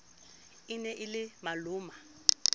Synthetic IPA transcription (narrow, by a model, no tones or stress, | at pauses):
ɪnɛʔɪlɪmalʊːma